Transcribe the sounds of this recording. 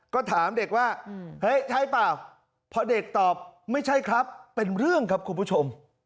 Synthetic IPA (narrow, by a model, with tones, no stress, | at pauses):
kɔː˥˩t̪ʰaː˩˦mde˨˩k̚waː˥˩hɤ˦˥jt͡ɕʰa˦˥˩jpaː˨˩w | pʰɔ˧de˨˩k̚t̪ɔː˨˩p̚ma˥˩jt͡ɕʰa˥˩jkʰɾa˦˥pːe˧nɾɯ˥˩əŋkʰa˦˥p̚kʰu˧npʰuː˦˥˩t͡ɕʰo˧m